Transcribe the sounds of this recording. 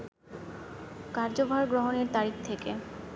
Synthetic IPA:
kaɾd͡ʑobʱaɾɡɾoɦoneɾt̪aɾik̚t̪ʰeke

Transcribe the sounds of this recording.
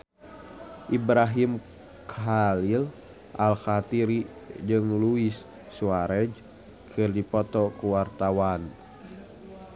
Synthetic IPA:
ʔibɾaɦim | kʰalil | ʔalxat̪iɾid͡ʒɨŋluisː | uaɾɛd͡ʒ | kʰɨrdipɔt̪ɔkuwart̪awan

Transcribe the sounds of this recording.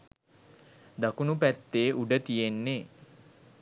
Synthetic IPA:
d̪akunupæt̪ːeːʔuɖət̪ijenːeː

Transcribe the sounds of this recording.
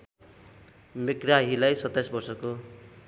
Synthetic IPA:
mekraɦilajsʌt̪ːajsbʌrsʌko

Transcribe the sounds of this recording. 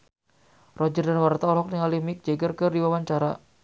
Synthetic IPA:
rɔd͡ʒərdanwart̪aɔlɔk̚niŋalimɪk̚d͡ʒɛɡərkərdiwawaɲt͡ʃaɾa

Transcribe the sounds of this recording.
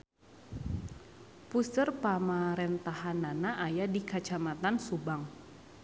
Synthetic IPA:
pusərpamaɾɛnt̪ahananaʔːjadikat͡ʃamat̪ansubaŋ

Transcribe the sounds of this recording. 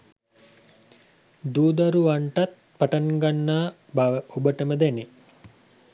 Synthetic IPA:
d̪uːd̪aɾuaɳʈat̪̚ | paʈaŋɡanːaː | baʋəubəʈəməd̪ɛni

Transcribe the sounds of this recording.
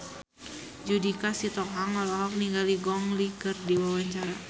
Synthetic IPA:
d͡ʒudikasit̪ɔŋɦaŋɔlɔɦɔk̚niŋɡaliɡɔŋlikərdiwawaɲt͡ʃaɾa

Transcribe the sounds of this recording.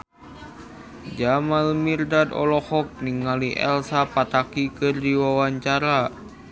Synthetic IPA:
d͡ʒamalmirdadɔ̰lɔhɔk̚niŋaliʔɛ̰lsapat̪akikɨrdiwawaɲt͡ʃaɾa

